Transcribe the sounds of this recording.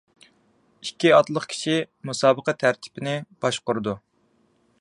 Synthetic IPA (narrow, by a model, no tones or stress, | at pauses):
ikʲːiɑt̪lˠəχkʲʰi̥ʃimusɑːbəqɛt̪ʰæɾt̪ʰɪ̥pɪnɪb̥ɑʃqʊɾɨd̪u